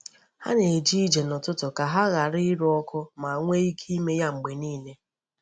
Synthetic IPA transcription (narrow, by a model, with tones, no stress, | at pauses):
ha̰˦ne˨d͡ʒi˦i˦d͡ʒe˨nɔ˨tʊ˦tʊ˨ka˨ɦa˦ɣa˨ɾɪ˦ɾɔ˦kʊ˦ma˨ŋʷe˦i˦kʰi˦me˦ja˦ŋ͡m̩˨ɡ͡be˨niː˦˨ne˦